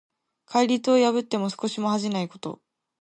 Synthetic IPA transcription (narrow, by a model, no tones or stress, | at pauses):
kʰaiɾʲit͡sɨojaβɯ̟t̪ːe̞mo̞sɨ̥ko̞ɕimo̞haʑinaiko̞t̪o̞̰